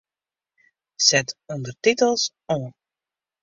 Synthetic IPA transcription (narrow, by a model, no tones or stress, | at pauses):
sɛtɔndərtitəlˠs | ɔ̃ːn